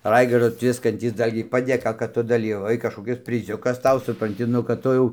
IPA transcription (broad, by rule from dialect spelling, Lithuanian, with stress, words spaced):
ˈrɐɪɡɐrdoː ˈtʲʋʲɪskɐnʲtʲiːs ˈdɐlʲɡʲɛɪ pɐdʲeːˈkɐ kɐt ˈtʊ dɐˈlʲiːʋɐʋɐɪ kɐʃkoːˈkʲɪs pʲrʲɪˈzʲʊkɐs ˈtɐʊ sʊprɐnʲˈtʲɪ ˈnʊ kɐt ˈtʊ jɛʊ